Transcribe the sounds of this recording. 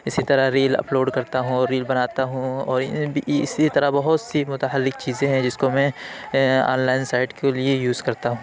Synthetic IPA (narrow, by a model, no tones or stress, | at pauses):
ɪsit̪ɐɾaɾiːlɐ̰ploːɖkɐɾt̪aɦũɔːɾːiːlbɐnaːt̪aɦũɔːɾbiɪ̰sit̪ɐɾabɐɦʊt̪simʊt̪aɦəlːɪk̚t͡ʃiːzẽɦɛ̃d͡ʒɪskomɛ̃ | ã̰ːnlaːɪnsaːɪʈkʰeliejuːzkɐɾt̪aɦũː